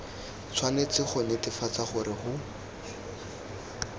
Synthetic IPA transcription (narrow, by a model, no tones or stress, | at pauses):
t͡sʰwanet͡sɪχʊnɪtɪfat͡saχʊrɪχʊ